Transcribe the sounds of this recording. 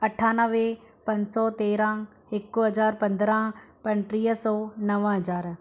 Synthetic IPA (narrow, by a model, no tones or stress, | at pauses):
ɐʈʰaːnəʋe | pɐ̃ɲsɔt̪eːɾã | ɪkːoɦɐzaːɾpɐ̃nd̪ɾãpɐnʈɾiːɦsɔːnɐʋɦɐd͡ʒaːɾ